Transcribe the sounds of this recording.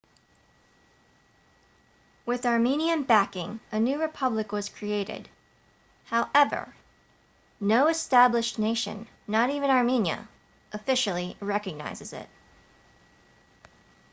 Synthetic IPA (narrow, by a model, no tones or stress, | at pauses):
wɪðɑɹmĩniɨ̃nbækɪ̃ŋɨnʉɹɨpʰʌblɨkwʌz̥kʰɹ̥ieɪɾɪ̰d̥ | haʊʔɛvə̰˞ | noʊɨstæblɨʃneɪʃɨ̰̃nː | əɾivɨ̃nɑɹmĩnjɨ̰ | ʔɨfɪʃl̩ˠiɹɛkɨɡ̚na̰ɪzɨzɪ̰t̚